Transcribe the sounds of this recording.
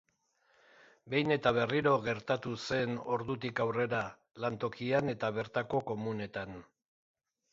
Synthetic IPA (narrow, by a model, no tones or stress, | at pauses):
be̞jne̞t̪aβ̞e̞riɾo̞ɣe̞ɾt̪at̪use̞no̞ɾðut̪ikawre̞ɾa | lant̪o̞kiane̞t̪aβ̞e̞ɾt̪ako̞ko̞mune̞t̪an